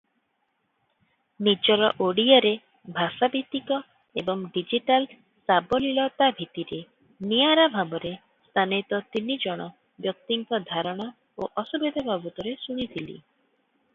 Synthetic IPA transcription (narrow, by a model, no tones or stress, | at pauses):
nid͡ʒɔɾɔʔoɽiaɾe | bʱasabit̪ikɔ | ebɔŋɖid͡ʒiʈal | sabɔlilɔt̪abʱit̪iɾe | niaɾabʱabɔɾe | st̪ʰanit̪ɔt̪inid͡ʒɔɽ̃ɔ | bjɔk̚t̪iŋkɔd̪ʱaɾɔɽ̃ɔ | oʔɔsubid̪ʱabʱabut̪ɔɾesuɽ̃it̪ʰilḭ